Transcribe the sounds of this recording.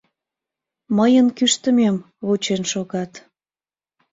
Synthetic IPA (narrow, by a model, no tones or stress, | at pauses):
məjənkyʃt̪ə̆mem | βut͡ɕenʃoɣɑt̪